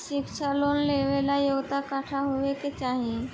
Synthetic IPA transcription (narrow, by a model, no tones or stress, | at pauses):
ikʃalonleʋelajoɡt̪akaʈʰaɦoʋeket͡ʃaɦĩ